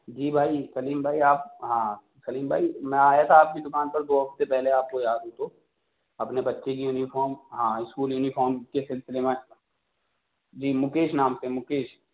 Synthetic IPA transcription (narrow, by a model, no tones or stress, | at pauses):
d͡ʒiːbʱaːisɐliːmbʱaːiaːp̚ɦãː | sɐliːmbʱaːimɛ̃aːjat̪ʰaaːp̚bid̪ʊkaːnpɐɾd̪oːɦɐft̪epɛɦleaːp̚kojaːd̪ɦot̪oː | ɐpnebɐtːʃekijuːnifɔːɾmɦãːɪskuːljuːnifʰɔːɾmkesɪlsɪlemẽ | d͡ʒiːmʊkeːʃnaːmsemʊkeːʃ